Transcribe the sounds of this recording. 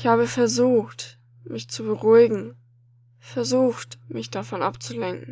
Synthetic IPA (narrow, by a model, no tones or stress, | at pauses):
ɪçhaːbəfɛɐzuːxt | mɪçt͡subəʁuɪɡŋ̩ | fɛɐzuːxtmɪçd̥afɔnʔa̰pt͡sulɛŋkŋ̩